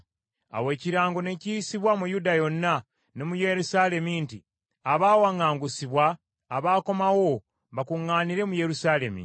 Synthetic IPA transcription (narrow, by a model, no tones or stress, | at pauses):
a̰we̞ːciɾaːŋɡo̞ne̞ciːsiβwamujudajo̞nːa | ne̞muje̞ɾusaːle̞minti | aβaːwaŋaːŋɡusiβwaː | βaːko̞mawo̞ | βakuŋːaːniɾe̞muje̞ɾusaːle̞mḭ